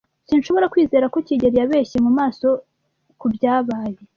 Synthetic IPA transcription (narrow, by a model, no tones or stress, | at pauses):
sinʃo̞βo̞ɾakwiːze̞ːɾako̞ciɟe̞ɾijaβe̞ːçemumaːso̞ | kubjaːβaːje